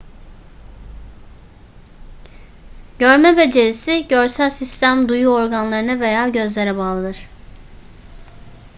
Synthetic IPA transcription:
ɟ̥øɾmɛbe̞d͡ʒe̞ɾisiɟøɾsælʲsist̪ʰæmd̪ujuoɾɡanlˠaɾɯnave̞jaːɟø̞zlʲe̞ɾɛbaːlˠad̪ɯɾ̥

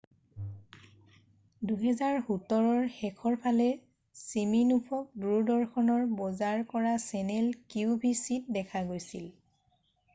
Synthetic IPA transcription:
duɦɛzaɹhutɔɹɔɹxɛkʰɔɹpʰalɛ | siminupʰɔk̚duɹdɔɹxʰɔnɔɹbɔzaɹkɔɹasɛnɛlkiʊbʱisit̚dɛkʰaɡojsḭl

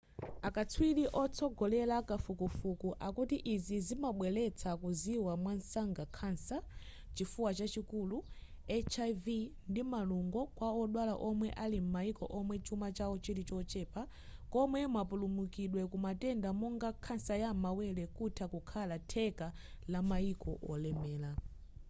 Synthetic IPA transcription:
akat͡sʰwiliʔɔt͡sʰɔɡɔlɛlakafukufukuʔakutiʔizizimaɓwɛlɛt͡sʰakuziwamwansaŋɡakʰansa | t͡ʃifuwat͡ʃat͡ʃikuːlu | ɛt͡ʃavindimaluŋɡɔkwaɔɗwalaʔɔmwɛʔalim̩maikɔ̰ʔɔmwɛt͡ʃumat͡ʃawɔt͡ʃiɾit͡ʃɔt͡ʃɛːpa | kɔmwɛmwapulumukiɗwɛkumatɛndamɔŋɡakʰansajamawɛlɛkutʰakukʰalatʰɛka | lamaikɔ̰ʔɔlɛmɛːla

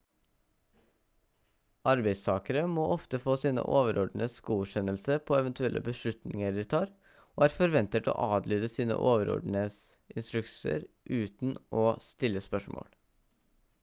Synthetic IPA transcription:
ɑɾbæɪst̪ʰɑːkəɾəmoːʔɔft̪əfoːsiːnə̰ʔoːʋəɾɔɖ̪ɳ̩əsɡuːʂɛnəlsəpʰoːɛʋənt̪ʉɛlʔə̰bəʂɭʉt̪nɪŋəɾɪt̪ʰɑːɾ | oːæːɾfɔɾʋɛnt̪ət̪o̰ːʔɑːd̪lyːd̪əsiːnə̰ʔoːʋəɾɔ̰ɖɳ̩əs | ɪnst̪ɾʉksə̰ɾ | ʔʉːt̪n̩ʔɔst̪ɪlːəspœʂmo̰ːl

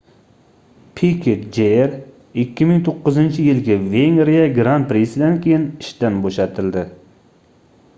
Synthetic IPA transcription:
pʰikʲʰet̪̚d͡ʒeɾ | ɪkʲːɪmɪŋt̪ʰoqːɨzɪnt͡ʃʰɪjɪlɡʲaveŋɾijaɡɾant̪̚pɾisɪd̪ankʲʰejɪnɪʃd̪anboʃat̪ʰɪld̪ɪ

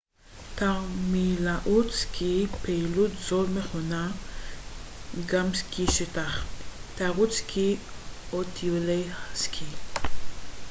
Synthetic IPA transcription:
t̪amilaʔut̪t͡skʰipelut̪zolmeχona | ɡamskiʃet̪aχt̪aʁut͡skʰiot̪ʰivlejaskʰi

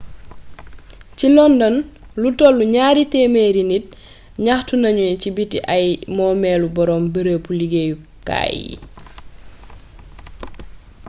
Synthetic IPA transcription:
cilɔndɔnlutɔlːuɲaːɾitɛːmeɾinit̚ | ɲaxtunɐɲucibitiʔajmɔːmɛlubɔɾɔːmbəɾəpuliɡeju | ka̰ːjḭ

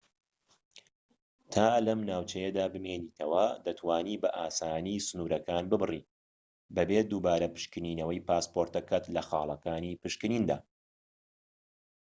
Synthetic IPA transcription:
t̪ʰaːlɐmnaːwt͡ʃɐjɐd̪aːbɨmeːniːt̪ʰɐwɐd̪ɐt̪ʰwaːniːbɐʔaːsaːniːsɨnuːɾɐkaːnbɨbɨriː | bɐbeːd̪uːbaːɾɐpɨ̥ʃkɨniːnɐwɐjpaːspoɾt̪ɐkɐt̪lɐxɑːlˠɐkaːnipɨʃkɨniːnd̪a̰ː

